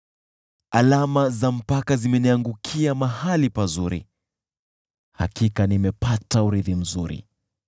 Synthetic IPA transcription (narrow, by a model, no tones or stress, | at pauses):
alamazam̩pakazimɛniaŋɡukʰiamahalipazuɾḭ | ha̰kikanimɛpatauɾiðim̩zuɾḭ